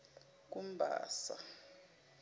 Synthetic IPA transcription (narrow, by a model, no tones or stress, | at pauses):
k̬ʼum̩bʱa̰ːsa